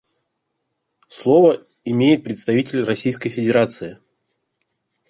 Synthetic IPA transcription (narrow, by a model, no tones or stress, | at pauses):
slˠovə | ɪmʲejɪt̪̚pɾʲɪt̪st̪ɐvʲitʲɪlʲrɐsʲijskəjfʲɪdʲɪɾat̪sɨɪ